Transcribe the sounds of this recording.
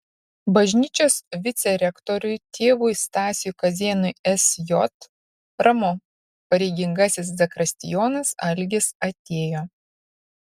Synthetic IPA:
bɐʒʲnʲiːt͡ʃʲoːsʋʲɪt̪sʲɛɾʲɛkt̪ɔɾʲʊɪt̪ʲʰeːʋʊɪst̪ɑːsʲɪjuːkɐzʲeːnʊjɛsjɔt̪ | ɾɐmɔ | pɐɾʲɛɪɡʲɪŋɡɐsʲɪszʲɐkɾɐsʲt̪ʲɪjɔːnɐsɐ̰lʲɡʲɪsɐt̪ʲeːjoː

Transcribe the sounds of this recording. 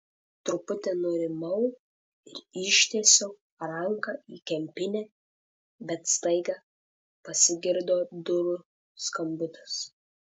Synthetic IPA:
t̪ɾʊpʊt̪ʲenʊɾʲɪmɐʊ | ɪɾɪʃʲt̪ʲesʲoː | ɾɐŋkɐiːkʲɛmʲpʲɪnʲɛː | bʲɛt̪st̪ɐɪɡɐː | pɐsʲɪɡʲɪɾd̪oːd̪ʊɾʊ | skɐmʲbʲʊt̪ɐ̥s

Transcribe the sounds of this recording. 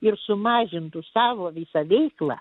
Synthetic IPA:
ɪrsʊmɑːʒʲɪnt̪ʊsɑːʋoːʋʲɪsɐʋʲɛɪklˠɑ̰ː

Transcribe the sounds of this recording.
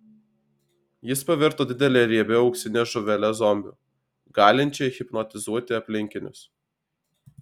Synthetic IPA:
jɪspɐʋʲɪɾt̪oːd̪ʲɪd̪ʲɛlʲeːɾʲiɛbʲɛɒʊksʲɪnʲeːʒʊʋʲɛlʲɛzɔmʲbʲṵ | ɡɑːlʲɪnʲt͡ʃʲɛjxʲɪpnɔt̪ʲɪzuɔt̪ʲɪɐpʲlʲɪŋʲkʲɪnʲʊ̰s

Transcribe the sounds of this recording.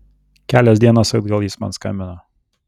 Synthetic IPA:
kʲæːlʲɛsʲd̪ʲiɛnoːsɐd̪ɡɐlˠjiːsmɐ̰nskɑ̰mʲɪnɐ

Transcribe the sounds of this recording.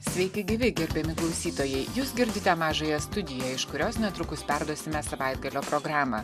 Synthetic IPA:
sʲʋʲɛɪkʲɪɡʲɪʋʲɪɡʲɛɾʲbʲɛmʲɪklˠɒʊsʲiːt̪oːjɛɪjuːsɡʲɪɾʲd̪ʲɪt̪ʲɛmɑːʒɐjɛst̪ʊd̪ʲɪjɛɪʃkʊɾʲoːsnʲɛt̪ɾʊkʊspʲæɾd̪uɔsʲɪmʲɛsɐʋɑˑɪd̪̚ɡɐlʲoːpɾoɡɾɑːmɐ

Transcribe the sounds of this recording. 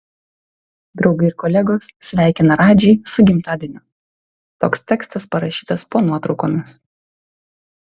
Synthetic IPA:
d̪ɾɒʊɡɐɪɪɾkɔlʲæɡoːssʲʋʲæˑɪkʲɪnɐɾɑːd͡ʒʲɛɪsʊɡʲɪmʲt̪ɑːd̪ʲɪnʲʊ | t̪oːkst̪ʲæːkst̪ɐspɐɾɐʃʲiːt̪ɐspoːnuɔt̪ɾɒʊkoːmʲɪs

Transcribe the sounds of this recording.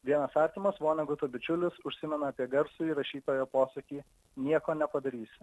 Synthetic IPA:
ʋʲiɛnɐsɑːɾʲt̪ʲimɐsʋoːnʲɐɡʊt̪ʊːbʲɪt͡ʃʲʊlʲɪsʊʃʲsʲɪmʲɛnɐɐpʲiɛɡɐɾsʊiːɾɐʃʲiːt̪oːjoːpoːsɐkʲiː | nʲiɛkoːnʲɛpɐd̪ɐɾʲiːsʲɪ

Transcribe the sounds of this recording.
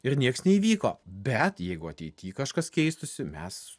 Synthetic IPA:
ɪɾnʲiɛksnʲɛiʋʲiːko̰ːbʲɛt̪jɛɪɡʊɐt̪ʲɛɪt̪ʲiːkɐʃkɐskʲɛɪst̪ʊsʲɪmʲɛs

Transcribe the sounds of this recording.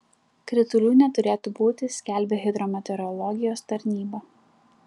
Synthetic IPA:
kɾʲɪt̪ʊlʲuːnʲɛt̪ʊɾʲeːt̪ʊbuːt̪ʲɪsʲkʲæˑlʲbʲeɣʲɪd̪ɾoːmʲɛt̪ʲɛɾɔlˠɔɡʲɪjoːst̪ɐɾʲnʲiːbɐ

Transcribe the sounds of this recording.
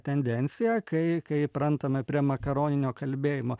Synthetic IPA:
t̪ʲɛnʲd̪ʲɛnʲsʲɪjækɐɪkɐɪpɾɐnt̪ɐmɐpʲɾʲiɛmɐkɐɾoːnʲɪnʲoːkɐlʲbʲeːjɪmoː

